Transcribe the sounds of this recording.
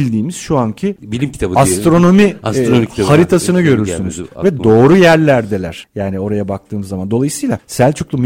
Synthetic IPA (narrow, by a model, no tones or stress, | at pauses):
lʲd̪iːmiz̥ʃuancʰibilʲimt̪ʰast̪ɾo̞no̞mi | haɾit̪ʰasɯnɯɟø̞ɾyɾssynyz̥vɛd̪o̞ːɾujæɾlʲæɾd̪e̞lʲæ̰ɾ̥jaːnio̞ɾajabak̚t̪ʰɯːmɯzːamand̪o̞lˠajɯsɯjlˠasælʲt͡ʃʰuklˠum